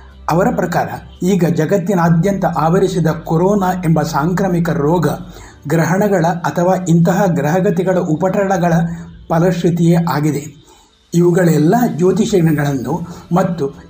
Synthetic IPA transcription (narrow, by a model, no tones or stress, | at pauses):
ɐʋɐɾɐpɾɐkaːɾɐ | iːɡɐd͡ʒɐɡɐt̪ːinaːd̪jɐnt̪ɐʔaːʋɐɾisid̪ɐkoɾɔːnaːʔe̞mbɐsaːŋkɾɐmikɐɾɔːɡɐ | ɡɾɐɦɐɳɐɡɐɭɐɐt̪ʰɐʋaːint̪ɐɦɐɡɾɐɦɐɡɐt̪ɛɡɐɭɐʔupɐʈɐɽɐɡɐɭɐpɐlɐʂɾit̪ijeʔaːɡid̪e̞ | iʋuɡɐɭɛlːɐd͡ʒoːt̪iʃɐɐɡɐɭɐnːumɐt̪ːu